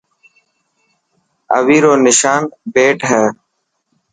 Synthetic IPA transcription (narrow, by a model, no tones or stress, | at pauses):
ə̰ʋiːɾoːnɪʃaːnbeːʈɦɛː